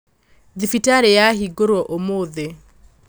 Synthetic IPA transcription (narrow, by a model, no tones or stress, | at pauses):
ðifitaɾɛjaɦiɡoɾwɔʔomoːðɛ